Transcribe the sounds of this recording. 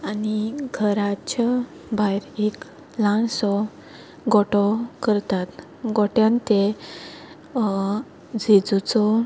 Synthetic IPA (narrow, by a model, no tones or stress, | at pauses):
aniɡʱəɾat͡ɕa | bʱajɾek | lãnsɔ | ɡɔʈɔkəɾt̪at̪ | ɡɔʈjãnt̪e | d͡zʱed͡zut͡sɔ